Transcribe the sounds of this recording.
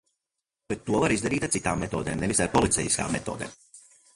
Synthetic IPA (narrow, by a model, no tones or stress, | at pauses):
b̥ɛt̪ːuɔvaɾizd̪aɾiːt̪at̪sit̪a̰ːmːɛt̪oːd̪eːmnɛvisaɾpɔlit̪sɛ̰jiska̰ːmːɛt̪oːd̪ɛ̰ːm